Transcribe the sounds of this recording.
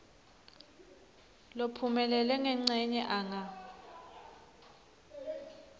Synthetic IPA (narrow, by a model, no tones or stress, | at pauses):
lopʰumɛlɛlɛŋɛŋ͡ǀʱɛɲɛʔaŋa